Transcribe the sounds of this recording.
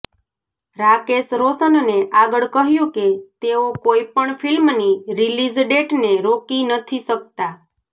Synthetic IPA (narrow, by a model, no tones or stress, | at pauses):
ɾakesɾosənneʔaɡəɭkəɦjũket̪eokoipəɳfilmniɾilid͡ʒɖeʈneɾokinət̪ʰisək̚t̪a